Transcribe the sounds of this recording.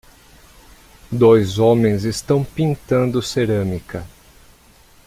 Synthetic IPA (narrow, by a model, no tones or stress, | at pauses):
d̪ojzõmẽj̃zɪst̪ɐ̃w̃pĩnt̪ɐ̃nd̪ʊseɾɐ̃mikɐ